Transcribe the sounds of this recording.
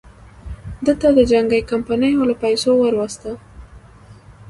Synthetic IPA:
d̪əlt̪ad̪əd͡ʒaŋɡəjkampanəjolapajsowəɾwast̪a

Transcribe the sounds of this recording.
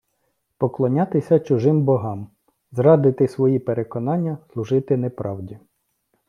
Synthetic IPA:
pɔklˠɔnʲɑt̪ɪsʲɐt͡ʃʊʒɪmbɔɦɑm | zrɑd̪ɪt̪ɪsʋɔjipeɾekɔnɑnʲːɐslˠʊʒɪt̪ɪnepɾɑwdʲi

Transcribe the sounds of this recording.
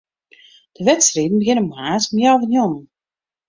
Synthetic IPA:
d̥əʋɛtsriːdn̩bəɡɪnəmhaːtmjawvənjɔmən

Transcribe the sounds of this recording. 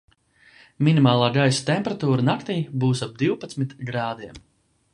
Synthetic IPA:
minimaːlˠaːɡajsḁt̪emʲpɾat̪uːɾanakt̪iːbuːsab̚d̪iwpat̪smit̪ɡɾaːd̪iɛm

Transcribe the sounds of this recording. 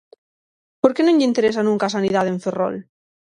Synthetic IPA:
poɾkenõɲʎeint̪eɾes̬anũŋkaːsanið̞aðeɱfero̰l

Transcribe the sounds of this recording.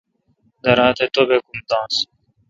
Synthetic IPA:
d̪ɐɾãːt̪et̪obekumd̪ãːs

